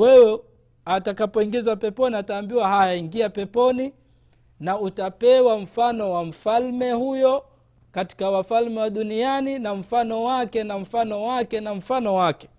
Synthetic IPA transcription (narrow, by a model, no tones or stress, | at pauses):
wɛwɛ | atakapɔiŋɡizwapɛpɔniataːmbiwaɦajaiŋɡiapɛpɔni | nautapɛwaɱ̩fanɔwam̩falmɛhujɔ | kati̥kawafalmɛwaɗunianinam̩fanɔwakɛnam̩fanɔwakɛnaɱ̩fanɔwakɛ̥